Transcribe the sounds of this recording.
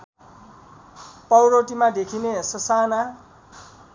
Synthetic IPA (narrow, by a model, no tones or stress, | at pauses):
pʌwɾoʈimad̪ekʰinesʌsana